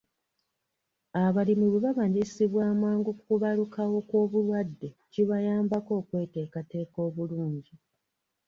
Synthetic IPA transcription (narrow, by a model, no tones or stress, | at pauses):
aβalimiβeβaβaɲɟisiβwaːmaːŋɡokukuβalukawo̞koːβulwadːe̞ciβajaːmbako̞ːkwe̞ːte̞ːkate̞ːko̞ːβuluːɲɟi